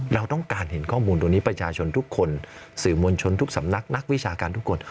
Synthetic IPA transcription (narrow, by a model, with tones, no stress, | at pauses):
ɾa˧wt̪ɔ˥˩ŋkaː˧nhe˩˦nkʰɔː˥˩muː˧nt̪uː˧ŋniː˦˥pɾa˧˥t͡ɕʰaː˧t͡ɕʰo˧nt̪ʰu˦˥kʰːo˧nsɯː˩mu˧ənt͡ɕʰo˧nt̪ʰu˦˥k̚sa̰˩˦mna˦˥k̚na˦˥k̚wi˦˥t͡ɕʰaː˧kaː˧nt̪ʰu˦˥kʰːo˧n